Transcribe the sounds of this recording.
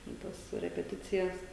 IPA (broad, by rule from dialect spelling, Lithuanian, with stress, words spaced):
tʲɛn ˈtɐs rʲɛpʲɛˈtʲɪt͡sʲɪjɛs